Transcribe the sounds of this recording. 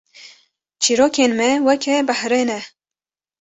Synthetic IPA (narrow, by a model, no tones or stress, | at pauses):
t͡ʃʰiɾoːkeːnmɛwɛkʰɛbəhɾeːnɛ